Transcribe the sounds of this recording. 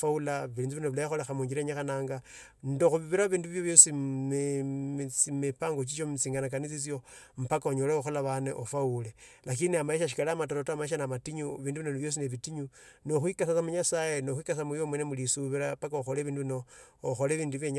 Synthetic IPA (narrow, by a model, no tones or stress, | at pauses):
faulaβiliːnziβinoβilajixolexamuːɲd͡ʒiɾeɲaxanaːŋɡa | ndoxuβiβiɾaβiːnduβjoβjo̞si | t͡simipaːŋɡot͡ʃ̬it͡ʃomit͡siːŋɡanak̬anit͡sit͡sjom̩pakaoɲoleoxolaβaneʔofaulelak̬iniamaeʃaʃ̬i̥kalamatoɾotamaeʃ̬anamatiɲuβiːnduβinoniβjo̞s̬ineβitiɲuno̞xwikasasamuɲasaje̞noxwikasamujomwenemulisuβiɾapakaoxoleβiːnduβino̞ːxoleβiːnduβjeɲ